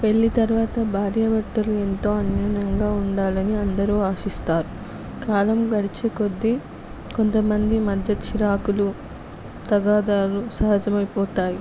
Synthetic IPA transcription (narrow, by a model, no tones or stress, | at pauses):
pe̞ɭːit̪ɐɾʋaːt̪ɐbʱaːɾjɐʋɐʈ̪ːɐlue̞nt̪o̞ːɐnjɐːnɐŋɡaːuɳɖaːlɐniɐnd̪ɐɾuːaːʃist̪aːɾu | kaːlɐmɡɐɽit͡ʃiko̞d̪ːi | ko̞nt̪ɐmɐnd̪imɐd̪ʱjɐt͡ʃʰiɾaːkulu | t̪ɐɡaːd̪aːɾusɐɦɐd͡ʒɐmɐjpɔːt̪aːji